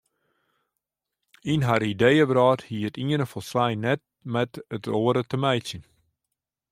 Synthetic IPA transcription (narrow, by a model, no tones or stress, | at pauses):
inɦaɾidejəbɾɑːthiətiənəfɔlˠsʋɛjnɛt̚mɛtətoːəɾətəmɛjtsjən